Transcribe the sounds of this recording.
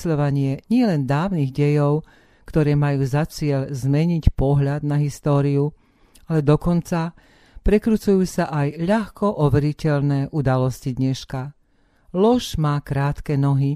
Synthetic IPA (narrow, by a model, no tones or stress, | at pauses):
sʎɔʋaɲɪɛɲɪɛlɛnd̪aːʊniɣɟɛjɔʊ | kt̪ɔɾɛːmajuːzat͡sɪɛʎzmɛɲicpɔɦʎad̪naɦist̪ɔːɾiu | alɛd̪ɔkɔnt͡sa | pɾɛkɾut͡sujuːsaʔajʎaxkɔʔɔʋɛɾicɛʎnɛːʔud̪alɔscid̪ɲɛʃka | lɔʒmaːkɾaːt̪kɛnɔɦi